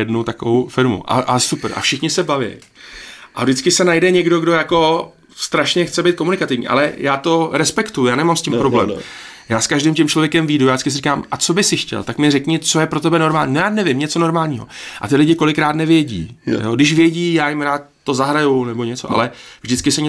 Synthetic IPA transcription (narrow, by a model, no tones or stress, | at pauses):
jɛdnut̪akovowfɪɾmṵʔa̰ʔasupɾʔa̰fʃɪxɲɪsɛbavɛ̰j | ʔavdɪt͡skɪsɛnajdɛɲɛɡdo̞ɡdo̞jako̞ | st̪ɾaʃɲɛxt͡sɛbɛjt̪̚ko̞munɪkat̪ɪvɲḭːʔa̰lɛjaːt̪o̞ɾɛspɛkt̪ujujaːnɛmamscɪmppɾoblɛ̰ːm | jaːskaʒdɪmcɪmt͡ʃlo̞vjɛkɛmviːdujaːdɪt͡skɪsɪɾikaːmʔat͡so̞bɪsɪxcɛ̰lt̪akmɲɛɾɛkɲɪt͡so̞jɛpɾot̪ɛbɛno̞ɾmaːlɲiːnojaːnɛvɪmɲɛt͡so̞no̞ɾmaːlɲiːɦo̞̰ʔa̰t̪ɪlɪɟɪko̞lɪkɾaːt̪nɛvjɛɟḭːjodɪʃ̬vjɛɟiːjaːjɪmɾaːt̪ːo̞zaɦɾajunɛboɲɛt͡so̞ʔa̰lɛvʒdɪt͡skɪsɛɲɛ